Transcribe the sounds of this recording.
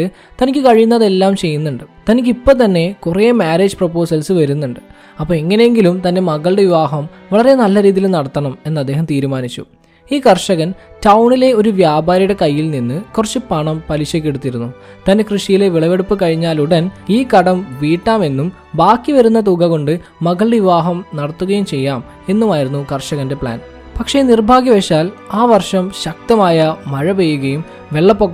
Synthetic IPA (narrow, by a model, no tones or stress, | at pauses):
ɨ | t̪ɐnikʲːɨkɐɻijunːɐðe̞lːaːmt͡ɕe̞jːunːuɳɖɨt̪ɐnikʲːipːo̞ːt̪ɐnːe̞kurejɐmaːɾe̞ːd͡ʑɨpropːo̞ːsɐlsɨʋɐɾunːuɳɖɨ | ɐpːoːeŋːɐnejeŋɡilumt̪ɐnde̞mɐɣɐɭɽe̞ʋiʋaːɦɐm | ʋɐɭɐrenɐlːɐɾiːðijilumnɐɽɐt̪ːɐɳɐme̞nːɐd̪ːe̞ːɦɐmt̪iːɾumaːnit͡ɕːṵ | iːkɐrʂɐɣɐntɐwɳile̞o̞ɾuʋjaːbʱaːɾijuɽe̞kɐjːilninːɨkurɐt͡ɕːupɐɳɐmpɐliɕɐk̬ːeɽut̪ːiɾunːut̪ɐnːekrɨʂijile̞ʋiɭɐʋeɽupːɨkɐɻiɲːaːluɽɐniːkɐɽɐmʋiːʈːaːme̞nːum | baːkːiʋɐɾunːɐt̪̬uɡɐɣo̞ɳɖɨː | ɐɣɐɭiʋaːɦɐmnɐɽɐt̪ːuɣɐjumt͡ɕe̞jːaːm | e̞nːumaːjiɾunːukɐrʂɐɣɐnde̞pɭa̰ːn | pɐkʂe̞nirbʱaːɡjɐʋeʂaːlaːʋɐrʂɐmɕɐk̚t̪ɐmaːjɐmɐɻɐʋejːuɣɐjum | ʋe̞ɭːɐpːokː